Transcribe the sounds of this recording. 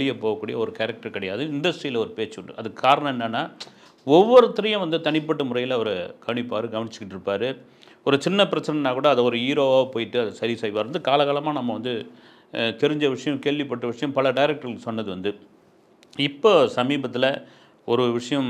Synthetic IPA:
ɭɪjɐpoːɣɐkːuːɽɪjɐɔɾɯkɛːɾɐk̚ʈɐɾkɐɽɐjaːðɯɪnd̪ɐʋɪsʈɾɐjɪlɐɔɾɯpeːt͡ʃːɯʊɳɖɯ̰ʔɐðɯkːɯkːaːɾɐɳɐ̃ɛnːɐnːaː | ɔʋːɔɾɯt̪ːɪɾɐjʊ̃ʋɐnd̪ɯt̪ɐɳɪpːɐʈːɯmʊɾɐjɪlɐʋɐɾɯɡ̥ɐʋɐɳɪpːaːɾɯɡɐʋɐɳɪt͡ʃːɯ̥kːɪʈːɪɾɯpːaːɾɯ | ɔɾɯt͡ʃɪnːɐpɪɾɐt͡ʃːɐnɐnaːkuːɽɐːðɐɔɾɯiːɾoːaːpoːjɪʈːɯɐðɐsɐɾisɐːjɪpaːɾɯʋɐnd̪ɯkaːlɐɣaːlɐmaːnɐmːɐʋɐnd̪ɯ | t̪ɛɾɪɲd͡ʒɐʋɪʂɐjɐ̃mkeːɭʋɪpːɐʈːɯʋɪʂɐjɐ̃mpɐlɐɖɐjɪɾɐk̚ʈɐɾsɔnːɐðɯʋɐnd̪ɯ | ɪpːoːsɐmiːbɐt̪ːɪlɐ | ɔɾɯʋɪʂɐjɐ̃m

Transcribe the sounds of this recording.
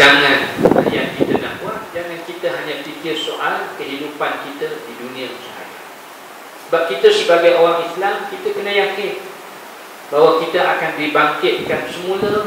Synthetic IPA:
aŋãna̰jankit̪ənahbuat̚d͡ʒaŋãnkit̪əɦaɲãpikɪrsoʔalkəɦinupankit̪ədidunĩəsəha̰d͡ʒa | səbap̚kit̪əsəbaɡajʔowaŋislamkit̪əkənajakɪn | bawakit̪əʔakandibaŋkɪt̪̚kansəmũlə

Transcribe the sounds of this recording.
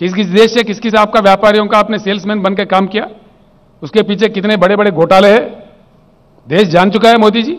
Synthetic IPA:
kɪskɪsd̪eːʃɦɛkɪskɪsaːp̚kaʋjaːpaːɾijõkaːpneseːlsmɛ̃ːnbɐnkekaːmkijaː | ʊskepiːt͡ʃʰekɪt̪nebɐɽebɐɽeɡoːʈaːleɦɛ̃ː | d̪eːʃd͡ʒaːnt͡ʃʊkaɦɛmoːd̪id͡ʒiː

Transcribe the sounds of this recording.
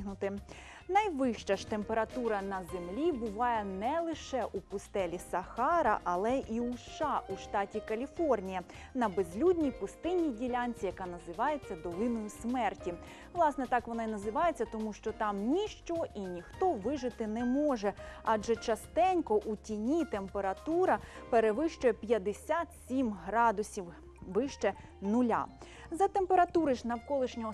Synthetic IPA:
ɦnʊt̪ɪ | nɐjʋɪʃt͡ʃɐʃt̪e̞mpeɾɐt̪uɾɐnɐzemlʲibʊʋɑjɛnɛlˠɪʃɛʔupʊst̪ɛlʲisɐxɑɾɐ̰ʔɐlˠɛʔiuʃʃɑʔuʃt̪ɑtʲikɐlʲifɔrnʲijɐ | nɐbezʲlʲudʲnʲijpʊst̪ɪnʲːijdʲilʲanʲt͡sʲijɐkɑnɐzɪʋɑjet͡sʲːɐd̪ɔlˠɪnɔjʊsmɛrtʲi | ʋlˠɑsnɛt̪ɑkʋɔnɑinɐzɪʋɑjet͡sʲːɐt̪ɔmuʃt͡ʃɔt̪ɑmnʲiʃt͡ʃɔʔinʲixt̪ɔʋɪʒɪt̪ɪnɛmɔʒɛɑd͡ʒɛt͡ʃɐst̪ɛnʲkɔʔutʲinʲit̪empeɾɐt̪uɾɐpeɾeʋɪʃt͡ʃʊjɛpʲjɐd̪esʲat̪sʲimɦɾɑd̪ʊsʲiw | ʋɪʃt͡ʃɛ | nʊlʲa̰ | zɐt̪empeɾɐt̪uɾɪʃnɐwkɔlˠɪʃnʲɔɦɔ

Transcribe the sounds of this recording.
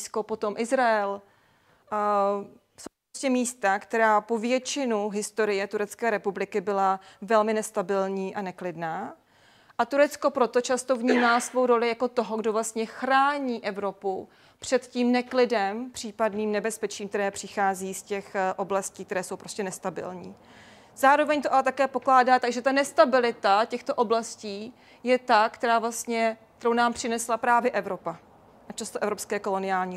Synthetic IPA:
skopo̞t̪o̞mʔɪzɾaɛl | sowposcɛmiːst̪akt̪ɛɾaːpovjɛt͡ʃɪnuɦɪst̪o̞ɾɪjɛt̪uɾɛt͡skɛːɾɛpublɪkɪbɪlavɛlmɪnɛst̪abɪlɲiːʔanɛklɪdnaː | ʔat̪uɾɛt͡sko̞pɾot̪o̞t͡ʃast̪o̞vɲiːmalsvo̞wɾo̞lɪjakot̪o̞ɦoɡdovlast̪ɲɛxɾaːɲiːʔɛvɾo̞pu | pr̝̥ɛt̪ciːmnɛklɪdɛmpr̝̥iːpadniːmnɛbɛspɛt͡ʃiːmkt̪ɛɾɛːpr̝̥ɪxaːziːscɛxʔo̞blasciːk̚t̪ɛɾɛːso̞wpɾo̞scɛnɛst̪abɪ̰lɲḭː | z̥aːɾo̞vɛɲt̪oʔalɛt̪akɛːpo̞klaːdaːt̪aɡʒɛt̪anɛst̪abɪlɪt̪acɛxt̪o̞ʔo̞blasciː | jɛt̪akt̪ɛɾaːvlast̪ɲɛkkt̪ɛɾownaːmpr̥ɪnɛslapɾaːvjɛʔɛvɾo̞pa | ʔat͡ʃast̪oʔɛvɾopskɛːko̞lo̞nɪaːlɲiː

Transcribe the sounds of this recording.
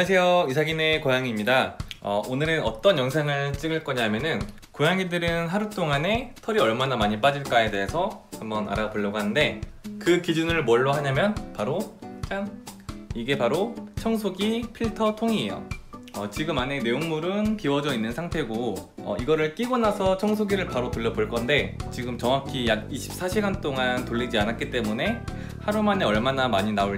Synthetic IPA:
as̬ʰe̞joisʰaɡine̞kojaŋimɲidaʌ̰onɯɾɯnʌt͈ʌnjʌŋsʰaŋɯɭt͡ɕ͈iŋɯɭk͈ʌɲaɦamjʌnɯn | kojaŋidɯɾɯnɦaɾut͈oŋane̞tʰʌɾiʌɭmanamaɲip͈ad͡ʑiɭk͈aede̞ɦesʰʌhambʌna̰ɾapuɭːʌɡoɦanɯnde̞kɯkid͡ʑunɯɭmwʌɭːoɦaɲamjʌnpaɾot͡ɕ͈aŋiɡe̞paɾot͡ɕʰʌŋs̬ʰoɡipʰiɭtʰʌtʰoŋie̞jo̰ʌt͡ɕiɡɯmane̞ne̞joŋmuɾɯnkiwʌd͡ʑʌinːɯnsʰaŋtʰe̞ɡoʌ̰iɡʌɾɯɭk͈iɡonasʰʌt͡ɕʰʌŋsʰoɡiɾɯɭpaɾotoɭːʌboɭk͈ʌnde̞t͡ɕiɡɯmt͡ɕʌŋakʰijaɡiɕʰi̥p̚s͈ʰaɕʰiɡant͈oŋantoʎːid͡ʑianat̚k͈it͈e̞mune̞ | haɾumane̞ʌɭmanamaɲinao

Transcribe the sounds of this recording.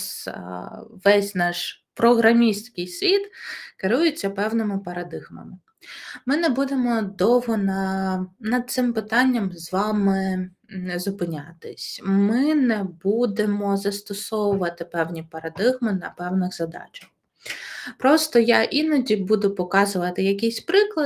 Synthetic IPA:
s | ʋɛsʲnɑʃpɾɔɦɾɐmʲisʲt̪ʲkɪjsʲʋʲit̪kɪɾujet͡sʲːɐpɛwnɪmɪpɐɾɐd̪ɪɣmɐ̰mɪ | mɪnɛbud̪emɔd̪ɔɦɔnɐnɐd̪̚t̪sɪmpɪt̪ɑnʲːɐmzʋɑmɪ | zʊpɪnʲat̪ɪsʲmɪnɛbud̪emɔzɐst̪ɔsɔwʊʋɐt̪ɪpɛwnʲipɐɾɐd̪ɪɣmɪnɐpɛwnɪɣzɐd̪ɑ̰t͡ʃɐ̥x | pɾɔst̪ɔjaʔinɐdʲibud̪ʊpɔkɑzʊʋɐt̪ɪjɐkʲijsʲpɾɪklˠɐ

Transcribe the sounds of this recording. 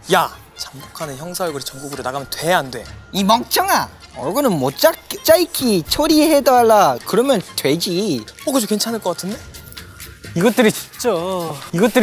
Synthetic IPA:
ja | t͡ɕambokʰanɯnçjʌŋsʰajoɡɯɾit͡ɕʌŋɡuɡɯɾonaɡamjʌntwe̞ɦande̞imʌk̚t͡ɕʰʌŋaʌɡɯnɯnmot͡ɕ͈akt͡ɕ͈aikʰit͡ɕʰoɾihedaaɭːakɯɾʌmjʌntwe̞d͡ʑiʌokɯd͡ʑokwe̞nt͡ɕʰanɯɭk͈ʌk͈atʰɯnde̞ | iɡʌt͈ɯɾit͡ɕi̥t͡ɕ͈oiɡʌt͈̚ɯɾ

